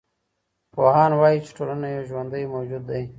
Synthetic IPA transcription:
poɦɑːnwɑːjit͡ʃe̥ʈolənajowʒwand̪əjmoːd͡ʒud̪ːaj

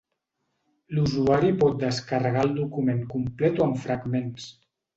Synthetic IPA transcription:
luzuaɾipɔt̪̚d̪əskərəɣalˠd̪ukumeŋkumplɛt̪oəɱfɾəɡmens

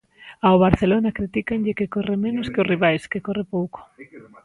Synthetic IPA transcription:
aoβaɾθelonakɾit̪ikanʎɪkɪkorɪmẽnʊskɪʊsriβ̞ajskekorɪpowko̥

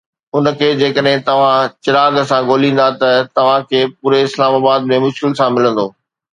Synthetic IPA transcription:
ʊnə̆kʰeːd͡ʑeːkəɗɦɪ̃t̪ɐʋ̤ãt͡ɕɪɾaːɡsãɡoːlĩːn̆d̪at̪ɐt̪ɐʋ̤ãkʰeːpuːɾeɪslaːmaːbaːd̪̚mẽmʊʃkɪlsãmɪlə̃nd̪oː

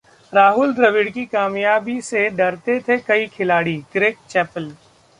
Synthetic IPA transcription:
ɾaːɦʊld̪ɾɐʋɪɖkikaːmjaːbiseɖɐɾt̪et̪ʰekɐikʰɪlaːɽikɾeːk̚t͡ʃɛːpəl

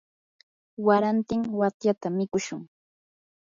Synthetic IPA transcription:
waɾant̪ɪŋwat̪jat̪amɪkʊʃʊŋ

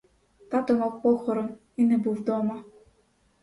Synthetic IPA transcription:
t̪at̪ɔnɔk̚pɔxɔɾɔn | inɛbuvd̪ɔma

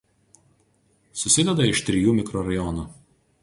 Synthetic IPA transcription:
sʊsʲɪd̪ʲɛd̪ɐɪʃt̪ʲɾʲɪjuːmʲɪkɾɔɾɐjɔnuː

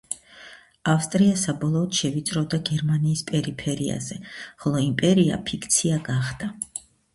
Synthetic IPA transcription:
afst̪ʼɾiasabɔlˠɔːd̪̥ʃɛvit̪sʼɾɔvd̪aɡɛɾmaniːspʼɛɾipʰɛɾia̰zɛχɔlˠɔimpʼɛɾia̰pʰikʰt̪sʰiaɡaχd̪̥a

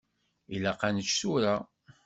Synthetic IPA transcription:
ilaqanət͡ʃːsuɾa

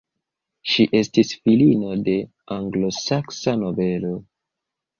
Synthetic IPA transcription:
ʃiʔe̞stisfilino̞de̞ | aŋɡlo̞saksano̞ve̞lo̞

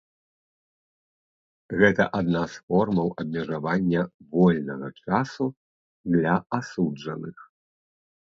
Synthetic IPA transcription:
ɣɛt̪ɐ̰ʔad̪nasfɔrmɐwɐb̚ʲmʲɐʐavanʲːɐvɔlʲnɐɣɐt͡ʂasu | d̪lʲɐasud͡ʐɐnɨx

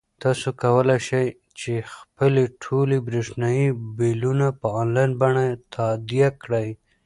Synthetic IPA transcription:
t̪ɑsokawəlajʃaj | t͡ʃexpəleʈʰolebɾeʂnɑjibelunapəɑnlɑjnbaɳat̪ʰad̪jakɽaj

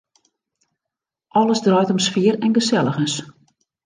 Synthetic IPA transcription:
ʔɔləsdrɔjtɔmsfiərɛnɡəsɛlˠəɣəns

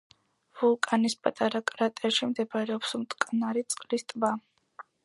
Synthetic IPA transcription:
vulˠkʼanispʼat̪ʼaɾakʼɾat̪ʼɛʃimd̪ɛbaɾɛɔpsumt̪ʼkʼnaɾit̪sʼqʼlist̪ʼba

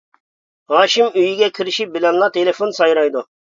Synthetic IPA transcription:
ɦɑːʃimyjiɡʲɛkʲʰiɾɪʃip̚bɪlɛnlˠɑt̪ʰelɪfonsɑjɾɑjd̪u

